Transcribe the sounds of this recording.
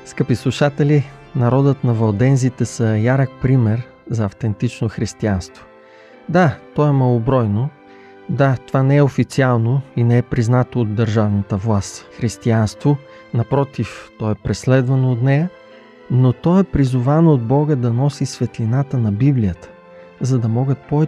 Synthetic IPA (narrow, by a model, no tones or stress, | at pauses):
skəpislˠuʃat̪ɛlinɐɾɔd̪ət̪nɐvɐlˠd̪ɛnzit̪ɛsəjaɾək̚pɾimɛɾ | zɐːft̪ɛnt̪it͡ʃnoxɾist̪ianst̪vo̥ | d̪at̪ɔɛmɐlˠobɾɔjno | d̪at̪ovanɛɛofit̪sialˠnoinɛɛpɾiznat̪oːd̪ːɐɾʒavnət̪əvlˠast̪xɾist̪ianst̪vo | nɐpɾɔt̪ift̪ɔɛpɾɛslɛd̪vɐnoːt̪nɛjə | not̪ɔɛpɾizʊvanoːd̪̚bɔɡəd̪ɐnɔsisvɛt̪linat̪ənɐbiblijət̪ə̥ | zɐd̪ɐmɔɡət̪̚pɔvɛ